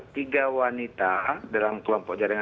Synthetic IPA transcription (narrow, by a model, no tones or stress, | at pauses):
t̪iɡawanit̪adalamkəlɔmpɔkd͡ʒaɾaŋa